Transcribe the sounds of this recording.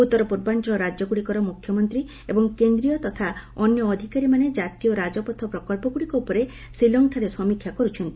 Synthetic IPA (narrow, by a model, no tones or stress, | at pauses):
ut̪ːɔɾɔpuɾbantɾɔɾad͡ʒɔɡuɽikɔɾɔmukʰjɔmɔnt̪ɾi | ebɔŋkend̪ɾijɔt̪ɔt̪ʰaɔnjɔːd̪ʱikaɾimaned͡ʒat̪ijɔɾad͡ʒɔpɔt̪ʰɔpɾɔkɔlpɔɡuɽikɔupɔɾe | silɔŋʈʰaɾesɔmikʰjakɔɾut͡ʃʰɔnt̪i̥